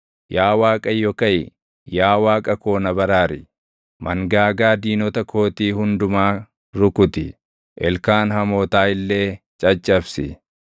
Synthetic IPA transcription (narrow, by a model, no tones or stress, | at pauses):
jaːwaːkʼɐjːɔkɐjɪ | jaːwaːkʼɐko̞ːnɐbɐɾaːɾɪ | mʔɐŋɡaːɡaːd̪iːnɔt̪ɐkʰo̞ːt̪iːhʊnd̪ʊmaː | ɾʊkʊt̪ɪ | ʔɛlkaːnhɐmoːt̪aːɪlːe̞ː | t͡ʃʼɐt͡ʃʼːɐfsɪ̰